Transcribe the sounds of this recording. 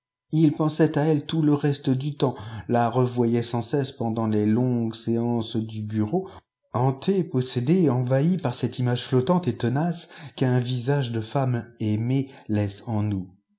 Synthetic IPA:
ilpɑ̃sɛt̪aɛlt̪uləʁɛst̪əd̪yt̪ɑ̃laʁəvwajɛsɑ̃sɛspɑ̃d̪ɑ̃lelɔ̃ɡseɑ̃sd̪ybyʁo | ɑ̃t̪ʰepɔsed̪eɑ̃vaipaʁsɛt̪imaʒflɔt̪ɑ̃t̪et̪ənaskɛ̃vizaʒd̪əfamɛmelɛsɑ̃nu

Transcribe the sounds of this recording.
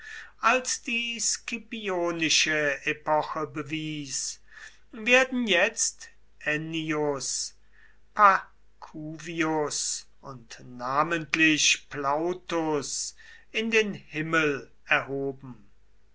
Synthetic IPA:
ʔalsd̥iːskipioːnɪʃəepɔxəbəviːs | veːɐdn̩jɛt͡st | ʔɛniʊs | pʰa | kʰuːviʊs | ʔʊntnaːməntʰlɪʃplaʊtʊs | ɪndeːnhɪməl | ɛɐɦoːbm̩

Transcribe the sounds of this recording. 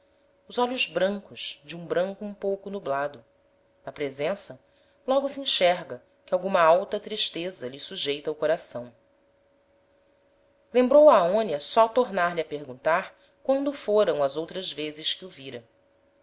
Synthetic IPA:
ʊzɔʎʊzbɾɐ̃ŋkʊʃd͡ʒɪũbɾɐ̃ŋkʊũpowkʊnublad̪ʊ | nɐpɾezẽsɐ | lɔɡʊsiĩʃɛɾɡɐ | kɪawɡũmɐawt̪ɐt̪ɾiʃt̪ezɐʎɪsuʒejt̪ɐʊkoɾasɐ̃w̃ | lẽmbɾowɐːõniɐsɔt̪oɾnaɾʎɪɐpeɾɡũnt̪aɾ | kwɐ̃nd̪ʊfoɾɐ̃w̃ɐzowt̪ɾɐzvezɪʃkɪʊviɾɐ

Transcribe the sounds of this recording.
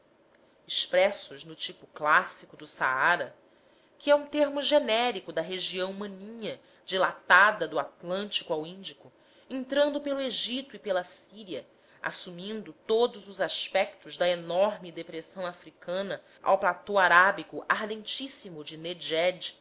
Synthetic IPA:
ɪʃpɾɛsʊʒnʊt͡ʃipʊklasikʊd̪ʊsaaɾɐ | kɪɛũt̪eɾmʊʒenɛɾikʊd̪ɐɦeʒiɐ̃w̃mɐ̃nĩɲɐ | d͡ʒilat̪ad̪ɐd̪ʊat̪lɐ̃nt͡ʃi̥kuawĩnd͡ʒikʊ | ẽnt̪ɾɐ̃nd̪ʊpelʊeʒit̪ʊipelɐsiɾiɐ | a̰sumĩnd̪ʊt̪od̪ʊzʊzaʃpɛk̚t̪ʊʒd̪ɐenɔɾmɪd̪epɾesɐ̃w̃afɾikɐ̃nɐ | a̰wplat̪owaɾabikʊʔaɾd̪ẽnt͡ʃisimʊd͡ʒɪned͡ʒɛd͡ʒ

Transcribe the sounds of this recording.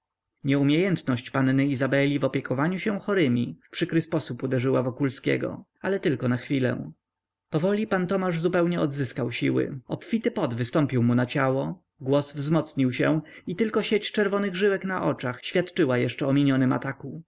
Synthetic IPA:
ɲɛumʲjejɛnt̪nɔɕt͡ɕpannɘizabɛlʲivɔpʲjɛkʰɔvaɲuɕɛw̃xɔɾɘmʲifpʂɘkɾɘspɔsupud̪ɛʐɘwavɔkulskʲɛ̰ɡɔ̰ | alɛt̪ɘlkɔnaxfʲilɛ̰̃ | pɔvɔlʲipant̪ɔmaʐzupɛwɲɛɔd̪zɘskawɕiwɘ̰ɔpfʲit̪ɘpɔd̪vɘst̪ɔmpʲiwmunat͡ɕawɔ | ɡwɔsvzmɔt̪sɲiwɕɛ̃it̪ɘlkɔɕet͡ɕt͡ʂɛɾvɔnɘɣʐɘwɛknaʔɔt͡ʂaxɕfʲjat̪t͡ʂɘwajɛʂt͡ʂɛɔmʲiɲɔnɘma̰t̪aku

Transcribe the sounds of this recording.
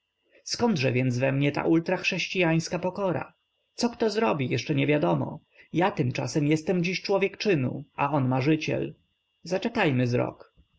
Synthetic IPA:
skɔnd̪ʐɛvʲjɛnd̪zvɛmɲɛt̪a̰ʔult̪ɾaxʂɛɕt͡ɕijaj̃skapɔkɔɾa̰ | t̪sɔkt̪ɔzɾɔbʲijɛʂt͡ʂɛɲɛvʲjad̪ɔmɔ̰ | jat̪ɘmt͡ʂasɛmjɛst̪ɛmd͡ʑiɕt͡ʂwɔvʲjɛkt͡ʂɘnṵʔaɔnmaʐɘt͡ɕɛ̰l | zat͡ʂɛkajmɘzɾɔ̰k

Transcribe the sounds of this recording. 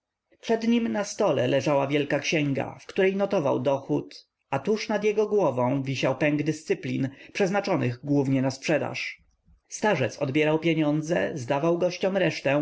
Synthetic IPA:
pʂɛd̪ɲimnast̪ɔlɛlɛʐawavʲjɛlkakɕɛŋɡa̰fkt̪uɾɛjnɔt̪ɔva̰wd̪ɔxut̪ | at̪uʂnad̪jɛɡɔɡwɔvɔ̃w̃vʲiɕawpɛŋɡd̪ɘst̪sɘplʲinpʂɛznat͡ʂɔnɘɣɡwuvɲɛnaspʂɛd̪a̰ʂ | st̪aʐɛt̪sɔd̪bʲjɛɾawpʲjeɲɔnd̪zɛ̰zd̪avawɡɔɕt͡ɕɔmɾɛʂt̪ɛ

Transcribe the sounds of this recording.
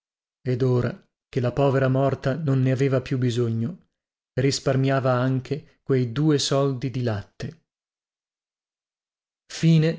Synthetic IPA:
ed̪oːɾa | kelapɔːveɾamɔrt̪anonːeaveːvapjubizoɲːo | risparmjaːvaaŋkʰe | kwejd̪uːesɔld̪id̪ilat̪ːe | fiːne

